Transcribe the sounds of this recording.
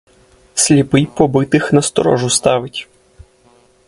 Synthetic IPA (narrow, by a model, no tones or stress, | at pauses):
sʲlʲipɪjpɔbɪt̪ɪxnɐst̪ɔɾɔ̰ʒʊst̪ɑʋɪtʲ